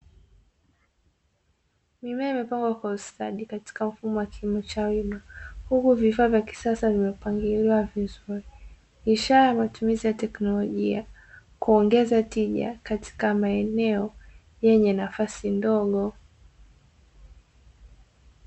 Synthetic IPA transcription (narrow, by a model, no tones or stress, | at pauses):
mimɛaimɛpaŋɡwakwausta̰ɗikati̥kam̩fumɔwakilimɔt͡ʃawimahukuvifaːvjaki̥sasavimɛpaŋɡiliwavizuɾi | iʃaɾajamatumizijatɛknɔlɔʄia | kuɔŋɡɛzatiʄa̰katʰi̥kamaɛnɛɔ | jɛɲɛnafasindɔɠɔ